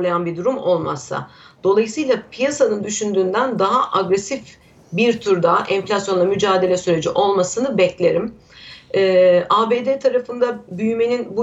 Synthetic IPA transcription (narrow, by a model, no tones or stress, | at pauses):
lˠajanbiɾd̪uɾumo̞lˠma̰sa̰d̪̥o̞lˠajɯsɯjlˠapʰijasanɯnd̪yʃynd̪yːnd̪ænd̪aɦaʔaɡɾɛsif | biɾt̪ʰyɾd̪aʔɛnflʲasjo̞nˠamyd͡ʒaːd̪e̞lʲɛsyɾe̞d͡ʒiʔo̞lˠmasɯnɯbɛclʲe̞ɾim | ɛːaːbeːd̪et̪ʰaɾafɯnd̪abyjyme̞ninbu